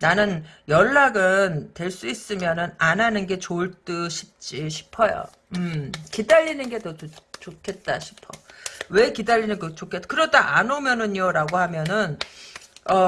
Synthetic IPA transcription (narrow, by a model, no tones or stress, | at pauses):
nanɯnjʌɭːaɡɯntwe̞ɭs͈uis͈ɯmjʌnɯnananɯnɡe̞t͡ɕoɭt͈ɯɕʰi̥p̚t͡ɕ͈iɕʰi̥pʰʌjo̰ | ɯmkidaʎːinɯnɡe̞doot͡ɕokʰe̞t̚t͈a̰ɕʰi̥pʰʌ̰we̞kidaʎːinɯnɡet͡ɕokʰet͈akɯɾʌdaʔa̰nomjʌnɯɲjoɾaɡoɦamjʌnɯn | ʌ